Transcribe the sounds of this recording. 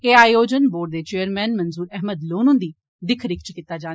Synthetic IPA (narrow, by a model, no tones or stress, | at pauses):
keːaːjoːd͡ʒənboːɖd̪eːt͡ʃeːəɾmɛ̃ːnmənzuːɾɛːɦməd̪loːnʊ̃nd̪iː | d̪ɪkʰɾɪkʰt͡ʃkit̪ːaːd͡ʒaː